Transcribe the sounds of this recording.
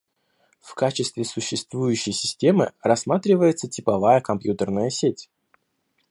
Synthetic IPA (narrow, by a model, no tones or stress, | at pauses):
fkat͡ɕɪst̪vʲɪsʊɕːɪst̪vujʉɕːɪjsʲɪ̥sʲtʲe̞mɨ̰rɐsmat̪ɾʲɪvəjɪt̪sətʲɪpɐvajəkɐmpjut̪ərnəjəsʲetʲ